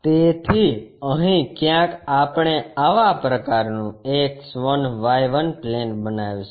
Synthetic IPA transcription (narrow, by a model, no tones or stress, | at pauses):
t̪et̪ʰiəɦĩkjãkapɳ̃eaʋapɾəkaɾnũeksʋənʋajʋənplenbənaʋjũ